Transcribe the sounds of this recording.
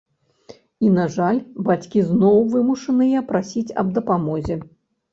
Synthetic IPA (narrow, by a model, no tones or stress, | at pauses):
inaʐalʲbat͡sʲkʲiznɔwvɨmuʂɐnɨjɐpɾasʲit͡sʲɐ̰b̚d̪ɐpamɔzʲɛ